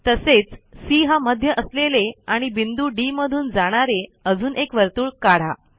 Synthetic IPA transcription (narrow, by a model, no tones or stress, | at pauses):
t̪əset͡ssiːɦaməd̪ʱjəʔəsleleaɽ̃ibind̪uːɖiməd̪ʱuːnd͡zaɽ̃aɾeəd͡zuːnʔekʋəɾt̪uːɭkaɽ̤a